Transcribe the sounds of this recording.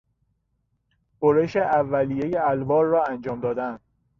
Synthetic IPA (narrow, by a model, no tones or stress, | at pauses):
b̥oɾeʃeʔævːæliːje̞jeælbɒːɾːɒːænd͡ʒɒːmd̪ɒːd̪ænd̪